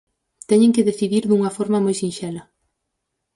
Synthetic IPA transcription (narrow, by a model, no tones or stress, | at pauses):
t̪ɛɲeŋkɪðeθiðiɾðuŋɐfɔɾmɐmojsinʃɛlɐ